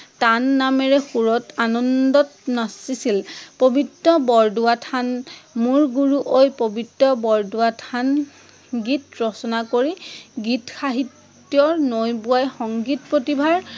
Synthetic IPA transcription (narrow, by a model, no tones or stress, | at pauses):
tanːamɛɹɛxuɹɔtanɔndɔtnasisilpobʱitːɔbɔɹduatʰanmuɹɡuɹuʔojpobʱitːɔbɔɹduatʰan | ɡitɹɔsɔnakoɹiɡitxaɦitː | jɔɹnojbuwajxɔŋɡitpɹotibʱaɹ